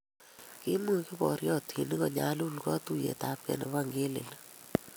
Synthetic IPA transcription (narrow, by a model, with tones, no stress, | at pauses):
kɪ˦mu˦kɪ˦bɔ̰˨ɾjɔ˦tʰi˨ni˦kɔ˨ɲa̰˨lu˦lkɔ˦tu˦jḛ˨ta˨p̚kɛ̰˨nɛ˨βa˦ŋɡe˦lɪ̰˨l